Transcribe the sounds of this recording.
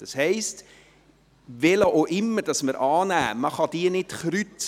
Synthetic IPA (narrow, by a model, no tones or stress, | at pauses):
d̥ɑshɛɪst | ʋɛləʔoʔɪmːəɾd̥ɑsməɾʔɑːnæːməχɑdiːənɪtχɾyt͡s